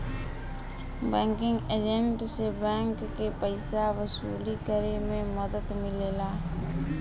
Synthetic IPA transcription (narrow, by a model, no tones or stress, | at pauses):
bɛ̃ːŋkɪ̃ŋɡeːd͡ʒeɳʈsebɛ̃ːŋkːeːpəɪsaʋəsṵːlikəɾemẽməd̪əd̪mɪleːlaː